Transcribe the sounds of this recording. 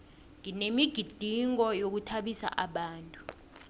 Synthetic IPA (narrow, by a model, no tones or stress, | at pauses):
ŋinemiɡ̥ʱid̥ʱiŋɔjok̬utʰaɓisa̰ʔaɓaːntʼu̥